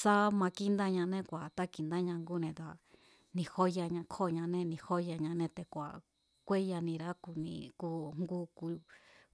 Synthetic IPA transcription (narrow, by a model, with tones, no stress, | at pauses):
sa˦mã˧ki˦nd̪a˦ɲã˧nẽ˦kʷa˨t̪a˦ki˧nd̪a˦ɲã˧ŋɡu˦nẽ˧t̪a˨ | nĩ˧ho˦ja˧ɲã˧kʰo˦˨ɲã˧nẽ˦nĩ˧ho˦ja˧ɲã˧nẽ˦˧t̪e˧kʷa̰˨ | kʷe˦ja˧nĩ˧ɾa˦ku˧nḭ̃˧ku˧ŋɡu˧ku˧